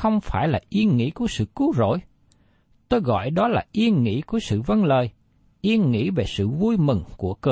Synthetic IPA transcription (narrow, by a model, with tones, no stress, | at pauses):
xə˧wŋ͡mfaː˧˩jlaː˨˩ʔi˧ənŋḭ˧˥ku˧˩əsɨ̰˧˨kɨ˨˦wzo̰˧˨j | t̪o˧jɣɔ̰˧˨jɗɔ˨˦laː˨˩ʔi˧ənŋḭ˧˥ku˧˩əsɨ̰˧˨və˧nləː˨˩j | ʔi˧ənŋḭ˧˥ve˨˩sɨ̰˧˨vu˧jmɨ˨˩ŋku˧˩əkə˧˩